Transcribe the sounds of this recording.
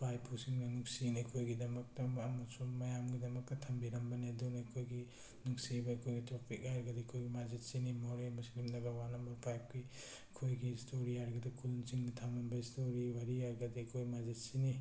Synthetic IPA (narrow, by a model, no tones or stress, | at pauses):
pʰajpʰusiŋnanuksinajkʰojɡidɐmɐk̚tɐːmasumɐjamɡidɐmɐk̚tɐtʰɐmbiɾɐmbɐnedunajkʰojɡi | nuksibakʰojɡitɾɔkpʰikaɾɡɐdikʰojɡimazet̚sinimoɾemuslimdɐɡawanɐmbɐɾpʰajp̚ɡi | kʰojɡistʰoɾiaɾɡadikʰulnt͡ʃiŋnitʰamambɐistoɾiwaɾiaɾɡɐdikʰojmazet̚sini